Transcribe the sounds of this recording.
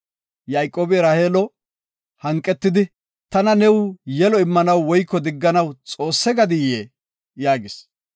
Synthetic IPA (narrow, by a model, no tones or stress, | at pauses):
jaːjkʼoːbɪɾɐheːlɔ | hɐŋkʼːɛt̪ːɪd̪ɪ | t̪ɐnɐnɛwjɛlɔɪmːɐnɐwːɔjkːɔd̪ɪɡːɐnɐwt͡sʼo̞ːsːɛɡɐd̪ɪjeː | jaːɡɪs